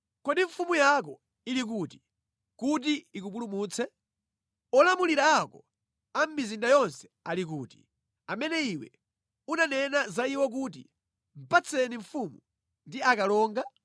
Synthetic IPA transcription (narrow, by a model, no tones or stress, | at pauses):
kɔdiɱ̩fumujak̬ɔ | ilik̬uːti̥ | kut̬iikup̬ulumuːt͡sʰɛ | ɔlamuliɾaːkɔ | am̩mizindajɔnsɛ̥alik̬uːti̥̰ | amɛnɛiwɛ̰ | unanɛnazaiwɔk̬uːt̬ḭ | m̩pat͡sʰɛniɱfumu | ndiakalɔːŋɡa